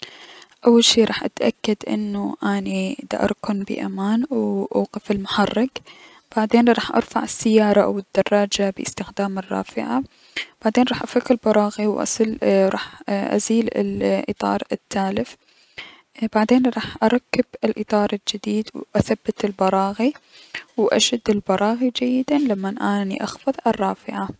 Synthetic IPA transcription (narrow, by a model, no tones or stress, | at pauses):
ʔawːalʃiːɾˤɑ̰ːħʔat̪ʔakːad̪ʔɪ̰nːuʔanid̪a̰ʔɑ̰ɾˤkʊnbɪ̰ʔa̰maːnwʔaːqɪfɪlmʊħɑrˤːɪk | b̥aʕd̪eːnɾˤɑːħʔɑ̰ɾˤfaʕɪsːɪjːɑːɾˤɑʔa̰wɪd̪ːɑrˤːɑːd͡ʒabɪ̰ɪst̪ɪxd̪aːmɪrˤːɑ̰ːfɪʕa | b̥aʕd̪eːnɾˤɑːħʔafaqːɪlbɑɾˤɑːɣiwʔa̰slɾˤɑːħʔa̰ziːlɪ̰lʔɨ̰t̪ˤɑ̰ːɾˤɪt̪ʰːaːlɪf | b̥aʕd̪eːnɾˤɑːħʔɑɾˤɑkːɪbɪlʔɨt̪ˤɑːɾˤɪld͡ʒɪd̪iːd̪wʔaθabːɪt̪ɪlbɑɾˤɑːɣiwʔaʃad̪ːɪlbɑɾˤɑːɣid͡ʒajːɪd̪alamːanʔanḭʔɑxfɑðˤʔɑrˤːɑːfɪʕa